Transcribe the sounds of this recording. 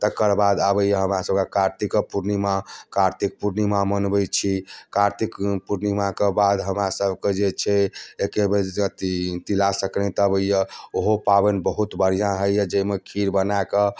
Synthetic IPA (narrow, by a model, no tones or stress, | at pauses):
t̪əkːəɾbad̪abəjəɦəmɾasəb̚kekaɾt̪ikpuɾnimakaɾt̪ik̚puɾnimamənbəjt͡ʃʰikaɾt̪ikpuɾnimakebad̪ɦəmɾasəbʱked͡ʒet͡ʃʰɛekebet̪t̪ilasəknɛt̪əbəjjəoɦopabenbəɦut̪bəɾ̤ijãɦəjjəd͡ʒəimekʰiɾbənaekə